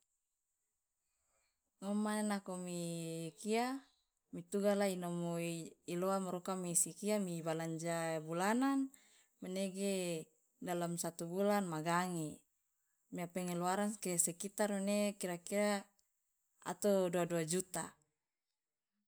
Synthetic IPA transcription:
ŋomaenakomikia | mit̪uɡalainomoiloamaɾukamisikiamibalaɲd͡ʒabulanan | meneɡe | dalamsat̪ubulanmaɡaŋe | miapɛŋeluaɾankesɛkit̪armunekiɾakiɾa | a̰t̪oduaduad͡ʒut̪a

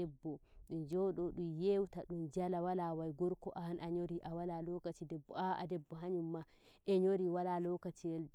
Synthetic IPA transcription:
ɛbːɔɗund͡ʒɔɗɔɗumjewtaɗumd͡ʒalawalawajɡɔɾkɔʔahanʔaɲoɾiʔawalalɔkatidɛbːɔaʔa̰dɛbːɔɦaɲumːa | ʔɛɲoɾiwalalɔkatiɛl

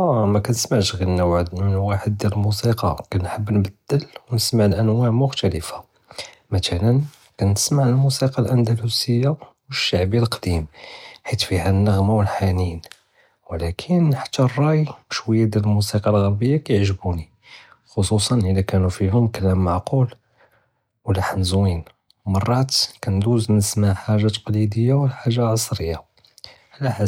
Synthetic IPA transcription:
æmækænəsmaʕʃɣilːæwʕəd̪mənwaħəd̪̚ːjæɾəlmusiqɑ̰kænħəbːnbəd̪ːəlwnəsmaʕlʔænwæʕmʊxt̪æləfa | mæt̪ælən | kænːəsmaʕəlmusiqɑlʔænd̪ælusəjːawəʃːaʕbilqd̪̥imħit̪fihænːəɣmawəlħanin | wəlækʰənħḁt̪ːærˤːɑjbəʃwəjːad̪æəlmusiqɑlɣəɾbəjːakæjəʕʒbuni | xosˤusˤɑnʔəlækænufiɦʊmkəlːæmːaʕqul | wəlaħnzwin | mɑrˤːɑt̪kænd̪uznnəsmaʕħaʒːat̪qlid̪əjːawəlħaʒːalʕɑsˤɾəjːa | ʕlæħa

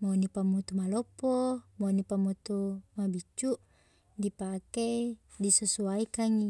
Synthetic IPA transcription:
monipamut̪umalɔpːɔmonipamut̪umabit͡ʃːuʔ | dipake | disəsuaikaŋi

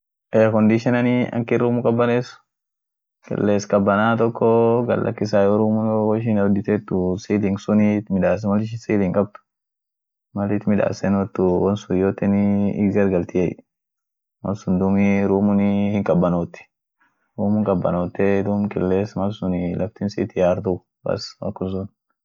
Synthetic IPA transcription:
ʔɛɐkɔnd̪iʃɪnɐniɐ̰ŋkɪɾuːmʊkʼɐbːɐneːsʊ̥ | kɪ̰lːeːskʼɐbːɐnaːt̪ɔkːɔɡɐ̰lːʔɐ̰kːɪs̬aːjɔɾuːmʊnowɔʃ̬ɪnɐd̪ɪt̪ɛt̪ːʊsiːlɪŋɡsʊnit̪mɪᶑaːs̬mɐlɪʃɪsiːlɪŋkʼɐb̚t̪ʊ̥ | mɐlɪt̪mɪᶑa̰ːsɛnwɔt̪ːʊwɐnsʊjoːt̪ːɛnɪɪ̰ɡɐɾɡɐlt̪ɪjḛj̰ | mɐ̰lsʊnd̪ʊmiɾuːmʊnɪhɪŋkʼɐbːɐnoːt̪ːɛ̥ | ɾuːmʊŋkʼɐbːɐ̰noːt̪ːɛd̪ʊmkʼɪ̰lːeːsmɐlsʊnɪlɐft̪ɪnsiːt̪ɪjaːɾt̪ʊ | kɐ̰swɐ̰kːʊns̬ʊn

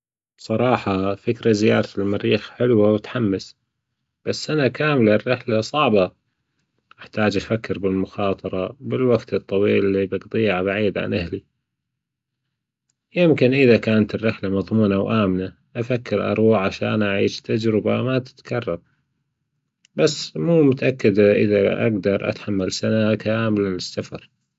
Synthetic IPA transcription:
sˤɑɾˤɑːħɑfɪkɾazɪjɑːɾˤt̪ɪlmaɾiːxħɪlwawɪt̪ħamːɪs | b̥asːʔanakaːmlarːɪħlasˤɑʕbɑ | ʔɪħt̪aːd͡ʒʔafakːɪɾbɪlmʊxɑːt̪ˤɑɾˤɑbɪlwaɡt̪ɨt̪ˤːɑwiːlːibɑɡt̪ˤiːʕbaʕiːd̪ʕa̰nʔɪɦli | jɪmkɪnʔɪðakaːnat̪ɪrːɪħlamɑðˤmuːnawʔaːmɪna | ʔafakːɪɾʔɑ̰ɾˤwuʕʕaʃa̰ːnʔaʕiːʃt̪ʰad͡ʒɾɪbamat̪ɪ̥t̪kʰɑrˤːɑɾˤ | basːmuːmʊt̪aʔakːad̪ʔɪ̰ðaʔa̰ɡd̪ɑɾˤʔa̰t̪ħamːalsanakaːmɪlanɪsːafɑ̰ɾˤ

